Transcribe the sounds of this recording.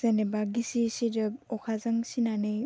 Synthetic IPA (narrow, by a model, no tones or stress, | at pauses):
z̥anebaɡisisidɯbɔkʰazaŋsinanej